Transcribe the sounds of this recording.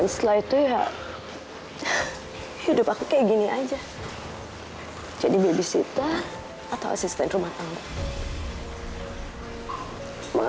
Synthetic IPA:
nslajt̪uɦa̰ | hidʊpakukaɡiniʔad͡ʒa | t͡ʃaʔdibibisḭt̪a | at̪awʔa̰sist̪ɛntrumanaŋaʔ | ma̰

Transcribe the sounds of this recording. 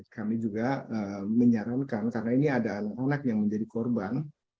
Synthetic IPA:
kʰamid͡ʒuɡaəməɲaɾankankaɾənainiadaːnakanak̚jaŋməɲd͡ʒadikɔrban

